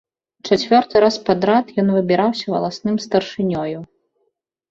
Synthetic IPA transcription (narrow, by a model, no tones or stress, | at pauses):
t͡ʂat͡sʲvʲɔrt̪ɨɾaspad̪ɾat̪jɔnvɨbʲiɾawsʲɐvɐ̰lˠasnɨmst̪ɐrʂɨnʲɔju